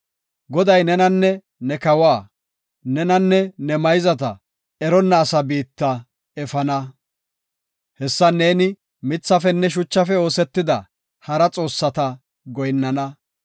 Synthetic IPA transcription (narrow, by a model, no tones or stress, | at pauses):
ɡɔd̪ɐjnɛnɐnːɛ | nɛkɐwaː | nɛnɐnːɛnɛmɐjzɐt̪ɐ̰ | ɛɾɔnːɐːsɐbiːt̪ːɐ | ɛfɐnɐ | hɛsːɐneːnɪ | mɪt͡sːɐfɛnːɛʃ̬ʊt͡ʃːɐfɛo̞ːsɛt̪ːɪd̪ɐ | hɐɾɐt͡sʼo̞ːsːɐt̪ɐ | ɡɔjnːɐnɐ